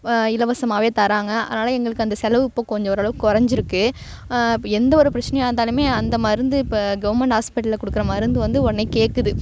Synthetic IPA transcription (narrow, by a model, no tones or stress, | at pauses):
ɪlɐʋɐsɐmaːʋeːt̪ɐɾaːŋɡɐɐ̰ðɪnaːlɐɛŋɡɐɭɯkːɯɐnd̪ɐsɛlɐʋɯɪpːoːkɔɲd͡ʒɔ̃ɔɾɐɭɐʋɯkːɔɾɐɲd͡ʒɪɾɯkːɯ | ɪpːɛnd̪ɐɔɾɯpɪɾɐt͡ʃːɪnɛjaːɯnd̪aːlɯmeːɐnd̪ɐmɐðɪɾɯnd̪ɯɡɐʋɐɾmɛɳʈaːspɪʈːllɐkɔɽɯkːɯɾɐmɐðɪɾɯnd̪ɯʋɐnd̪ɯɔɾɐneɪkeːʈkːɯðɯ